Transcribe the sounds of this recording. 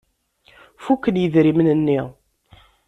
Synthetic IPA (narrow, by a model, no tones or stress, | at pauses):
fukːənjəðɾimnənːiʁ